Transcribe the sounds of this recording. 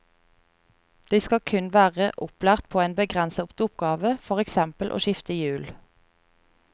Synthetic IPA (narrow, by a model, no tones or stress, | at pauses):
d̪̥iːskɑkʰʉnʋæːʁəʔʊplæːʁt̪̚pʰoːeːnbəɡʁɛnsɑʊpt̪ʊpɡɑːʋəfɔʁɛksɛmpəlʔo̰ːʃɪft̪əjʉːl